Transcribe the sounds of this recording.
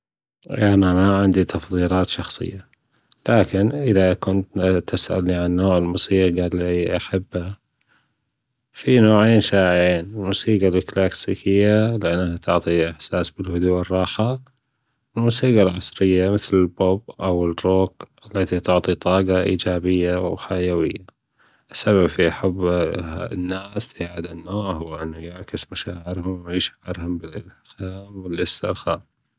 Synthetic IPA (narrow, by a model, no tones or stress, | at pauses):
ʔanamaʕɪnd̪it̪ɑfðˤiːlɑːt̪ʃɑxsˤɨ̰jːa | laːkɪnʔɪðakʊnt̪t̪ɪsʔa̰lniʕanːoːʕɪlmʊsiːqaliʔaħabːha | finoːʕeːnʃaːʕʕeːnɪlmʊsiːɡalklaːksiːkʰɪjːalɪʔanːahat̪ʰʊʕt̪ˤiʔɪħsaːsbɪlhʊd̪uːɪrˤːɑːħa | wɪlmusiːqalʕɑsˤɾɪjːamɪθlɪlbobʔawɪroːkʔalːat̪it̪ʊʕt̪ˤit̪ˤɑːɡɑʔḭːd͡ʒaːbɪjːawħajawɪjːa | ʔɪsːaβabfiʔaħabː | nːaːstʕad̪anːaːɾɦʊwʔɪnːajaʕkɪsmaʃaːʕɪɾhʊmɪʕiːʃʔɑɾhʊmbɪlʔɪlxaːmwɪlʔɪstɪɾˤxaːm